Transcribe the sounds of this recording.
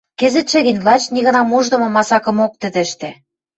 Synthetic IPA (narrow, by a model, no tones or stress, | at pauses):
kĕzɘ̆t̪ʃĕɣĭnʲvlɑt͡ɕniɣɤ̆nɑmuʒd̪ɤ̆mɤ̆mɑsɑkɤ̆mok̚t̪ə̆d̪ĕʃt̪ĕ